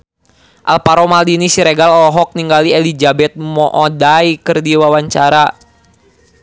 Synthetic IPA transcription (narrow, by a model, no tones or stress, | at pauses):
ʔa̰lpaɾomaldinisiɾeɡalɔɔɦɔk̚niŋɡalielid͡ʒabɛt̪̚mɔʔɔdaikɨrdiwawaɲt͡ʃaɾa